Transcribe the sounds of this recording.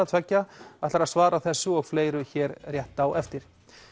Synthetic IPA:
at̪ʰvɛcːaḁt̪laɾaðsvaːɾaθɛsːʏɔɣfleːjɾʏçɛːɾr̥jɛht̪awʔɛft̪ɪɾ̥

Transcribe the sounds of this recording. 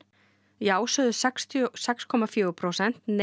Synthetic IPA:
jaːwsœðʏsɛkst̪sɛkskʰɔmafjœːʏpʰɾowsɛn̥t̪n

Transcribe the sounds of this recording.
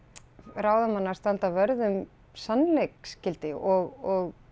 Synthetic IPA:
raːwðamanːast̪ant̪avœɾðʏm | sanlejkscɪlt̪ɪʔɔɣɔɣ

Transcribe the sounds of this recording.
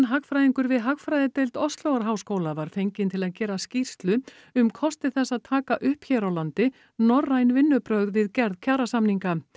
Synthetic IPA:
nɦaɣfɾajðiŋkʏɾvɪðɦaɣfɾajðɪt̪ejlt̪ɔst̪lowɣaɾɦaːwskoːwlavaɾ̥fejɲcɪnt̪ʰɪlaðcɛːɾascir̥st̪lʏ | ʏmkʰɔst̪ɪθɛsːaðt̪ʰaːkaʔʏhpçɛːɾawlant̪ɪ | nɔrːajnvɪnːʏpɾœɣðvɪðcɛɾðcʰaːɾasamniŋka

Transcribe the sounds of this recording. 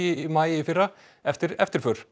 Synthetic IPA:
ɪmaːjɪɪfɪra | ɛft̪ɪɾɛft̪ɪɾ̥fœːɾ̥

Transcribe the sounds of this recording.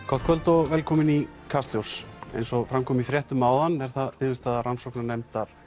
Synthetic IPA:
kʰɔht̪̚kʰœlt̪ɔɣvɛːlkʰɔːmɪnikʰast̪ljowɾ̥sḛjnsɔfɾamkʰɔːmifɾjɛht̪ʏmawðanːɛɾ̥θaðpɪːðʏst̪aːðaransɔwknanɛmt̪aɾ̥

